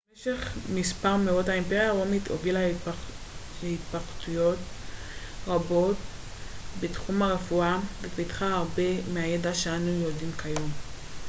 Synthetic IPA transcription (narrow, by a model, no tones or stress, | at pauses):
meʃeχmispaʁmeodhaempeʁjaʁomitovila | hitpaχtujo̞t | ʁabo̞t̚ | betχumaʁefuavepitχaːʁbe̞meajedaʃeanujodimkʰajo̞m